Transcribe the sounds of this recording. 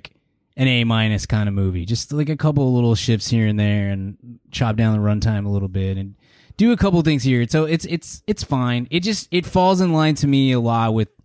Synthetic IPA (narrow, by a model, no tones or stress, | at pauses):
k | ɨ̃neɪmãɪ̃nɨskʰãɪ̃ndəmʉvḭd͡ʒʌstlaɪkɨkʰʌp̬l̩ˠlɪɾl̩ˠʃɪftshiɹɨ̃nðə˞ɨ̃nt͡ʃʰɑp̚d̥ãʊ̃nðəɹʌ̃ntʰãɪ̃məlɪɾl̩ˠbɪɾɨ̃n | d̥ɨɨkʰʌpl̩ˠθɪ̃ŋz̥hiɹsoʊɪtsɪtsɨtsfãɪ̃nɨt̚d̥ʒ̥ʌst̚ɨtfɔlˠzə̃nlãɪ̃ntʰɨmiɨlɔt̚wɪð̥